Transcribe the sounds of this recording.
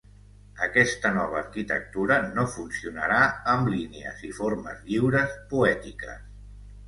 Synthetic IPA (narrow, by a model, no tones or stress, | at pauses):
əkɛst̪ənɔβ̞əːɾkit̪ə̰k̚t̪uɾənofunsiunəɾaəmlineə̰ziformə̰zʎiwɾəspuɛt̪ikə̰s